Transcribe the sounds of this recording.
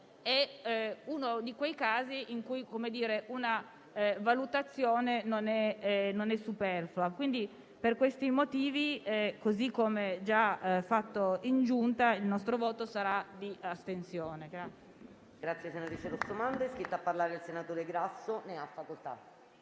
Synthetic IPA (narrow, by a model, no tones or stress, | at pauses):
e | unod̪ikwejkaːziʔiŋkujkomed̪iːɾeʔuna | valut̪at̪sːjoːnenonɛnonɛsːupɛrfluakwind̪i | perkwest̪imot̪iːvikozikːomed͡ʒafat̪ːoind͡ʒunt̪ailnɔst̪ɾovoːt̪osaɾad̪iast̪ensjoːneɡɾat̪ː | ɡ̥ɾat̪sːjesenat̪ɾit͡ʃeɾosomand̪ɛskɾit̪ːoapːarlaːɾeilsenat̪oːɾeɡɾasːoneafːakolt̪a̰